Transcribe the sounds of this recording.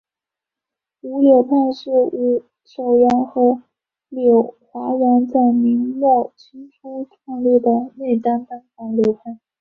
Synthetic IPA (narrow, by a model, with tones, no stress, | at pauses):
u˧˥ljo˨˩ʊpʰa˥˧nʂɻ̩˥˩u˧˥ | t͡ɕʰo˨˩ʊɥa˧˥nxɤ˧˥ | ljo˨˩ʊxwa˧˥ɥə˧˥nt͡sa˥˩ɪmi˧˥ŋmwɔ˥˩t͡ɕʰi˥nʈ͡ʂʰu˥ʊtʰa˥˧ŋlu˥˩d̪ə˩ne˥˩ɪt̪a˥nt̪a˥nfɑ˧˥ŋljo˨˧˥ʊpʰa˥˩n